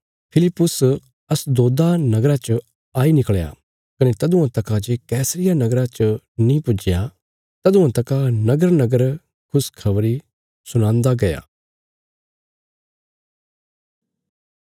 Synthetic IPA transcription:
pʰɪlɪpːʊs | ɐsd̪oːd̪anɐɡɾat͡ʃə | aːinɪkɭja̰ | kɐnet̪ɐd̪ʊ̃ãt̪ɐkad͡ʒekɛːsɾɪjanɐɡɾat͡ʃə | nĩpʊd͡ʒɪja | t̪ɐd̪ʊ̃ãt̪ɐkanɐɡəɾnɐɡəɾ | kʰʊskʰɐʋɾi | sʊñãːnd̪aɡɐja̰ː

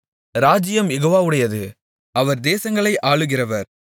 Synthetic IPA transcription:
ɾaːd͡ʒɪjɐmjɛɣoːʋaːɯɽɐjɐðɯ | ɐʋɐɾd̪eːsɐŋɡɐɭɐɪʔaːɭɯɣɪrɐʋɐɾ

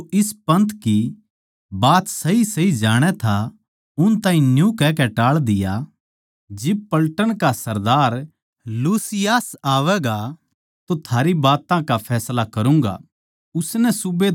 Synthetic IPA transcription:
ʔɪspɐ̃nt̪ki | baːt̪sɐɦisɐid͡ʒaːɽ̃ɛt̪ʰa | ʊnt̪ãːɦĩnjũkɛːkɛʈaːɭd̪ɪja̰ | d͡ʒɪb̚pɐlʈəɽ̃kasɐɾd̪aːɾ | luːsɪjaːsaːʋɛɡa | t̪ot̪ʰaːɾibaːt̪ãkapʰɛːslakɐɾũːŋɡa̰ | ʊsnɛsʊbe

